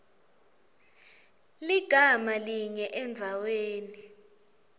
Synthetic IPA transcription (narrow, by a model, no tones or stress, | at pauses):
liɡ̥ʱamaliɲɛʔɛnd͡zʱaweːni